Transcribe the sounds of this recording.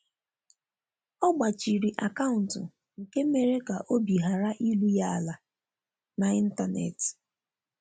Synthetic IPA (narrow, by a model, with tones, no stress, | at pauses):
ɔ˦ɡ͡ba˨t͡ʃi˨ɾi˨ʔa˨ka˦ʊ˨n̩˨tʊ˨ | ŋ̩˨ke˦me˨ɾe˦ka˨ʔo˦bi˨ɦa˨ɾa˦ʔi˦lu˦ja˦a˨la˨ | na˨i˦n̩˦ta˨nḛ˨tɪ̥˨